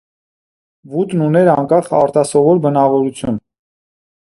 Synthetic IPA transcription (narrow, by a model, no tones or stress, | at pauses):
vut̪nunɛɾɑŋkɑχɑ̰ɾt̪ɑsɔvɔɾbənɑvɔɾut͡sʰjun